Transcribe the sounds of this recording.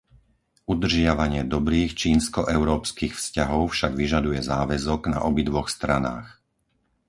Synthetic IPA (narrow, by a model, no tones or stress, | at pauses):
ʔud̪r̩ʒɪaʋaɲɪɛd̪ɔbɾiːxt͡ʃiːnskɔʔɛʊɾɔːpskiːxfscaɦɔʊfʃaɡʋiʒad̪ujɛzaːʋɛzɔɡna̰ʔɔbid̪ʋɔxst̪ɾana̰ːx